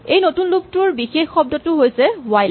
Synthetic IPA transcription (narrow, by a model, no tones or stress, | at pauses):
ejnotunluk̚tʊɹbixexːɔb̚dɔtʊɦojsɛwaj